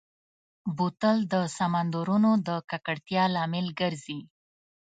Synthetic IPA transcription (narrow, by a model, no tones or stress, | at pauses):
but̪əld̪əsamand̪oɾunod̪əkakaɽt̪jɑlɑmɪlɡəɾzi